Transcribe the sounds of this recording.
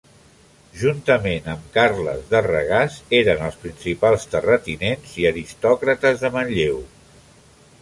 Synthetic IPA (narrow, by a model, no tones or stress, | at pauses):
ʒunt̪əmenəmkaɾlə̰zðərəɣazeɾənəlˠspɾinsipalˠst̪ərət̪inenziəɾist̪ɔkɾət̪əzðəmənʎew